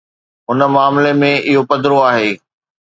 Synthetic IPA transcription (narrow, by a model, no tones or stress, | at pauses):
ɦʊnə̆maːmɪlemẽʔɪɦopɐd̪ɪɾoaːɦeː